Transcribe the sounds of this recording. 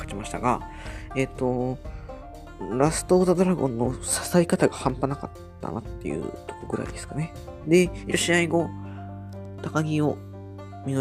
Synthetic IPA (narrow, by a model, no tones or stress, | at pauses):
kat͡ɕimaɕi̥t̪aɡa | e̞t̪ːo̞ | ɾasɨ̥t̪o̞ːt̪ad̪o̞ɾaɡõ̞nːo̞sḁsaikat̪aɡahãmpanaka̰t̪ːa̰na̰t̪ːe̞̰jɯ̟̰t̪o̥koɡɯ̟ɾa̰ḭd̪e̞sɨ̥kane̞ | d̪e̞ioɕiaiɡo̞ | t̪akaɡʲio̞ | mʲino